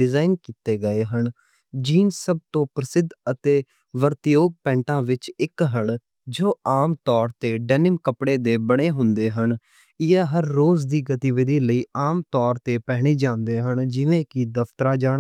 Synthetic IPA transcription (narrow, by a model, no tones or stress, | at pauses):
ɖɪzaːɪnkiːt̪eːɡəeːɦəɳ | d͡ʒiːnsəb̚t̪õːpɾəsɪd̪ʱət̪eː | ʋəɾt̪joːɡ̚pɛ̃ːɳʈãːʋɪt͡ʃɪkɦəɳ | d͡ʒoːaːmt̪ɔːɾt̪eːɖɛːnɪmkəpɽeːd̪eːbəɽ̃eːɦʊnd̪eːɦəɳ | ɪaːɦəɾːoːzd̪iːɡət̪iːʋɪd̪iːləiːaːmt̪ɔːɾt̪eːpɛːɦɽ̃iːd͡ʒãːnd̪eːɦəɳd͡ʒɪʋẽːkid̪əft̪ɾaːd͡ʒaːɽ